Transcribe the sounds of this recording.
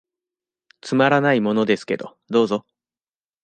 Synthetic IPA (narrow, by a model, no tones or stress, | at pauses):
t͡sɨmaɾanaimo̞no̞d̪e̞sɨ̥ke̞̰d̪o̞ | d̪o̞ːzo̞